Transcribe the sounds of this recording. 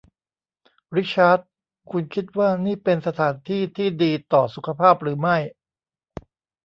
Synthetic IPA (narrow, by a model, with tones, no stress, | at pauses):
ɾi˦˥t͡ɕʰaː˦˥t̪̚ | kʰu˧nkʰi˦˥t̪̚waː˥˩niː˥˩pe˧nsa˧t̪ʰaː˩˦nt̪ʰiː˥˩t̪ʰiː˥˩diː˧t̪ɔː˨˩su˨˩˥kʰa˧pʰaː˥˩p̚ɾɯː˩˦ma˥˩j